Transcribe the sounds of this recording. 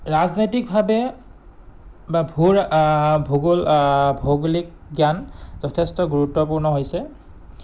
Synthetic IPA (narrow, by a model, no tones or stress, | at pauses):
ɹaznojtik̚bʱabɛ | babʱuɹbʱuɡulbʱoɡlik̚ɡjanzɔtʰɛstɔɡuɹutːɔpuɹnɔɦojsɛ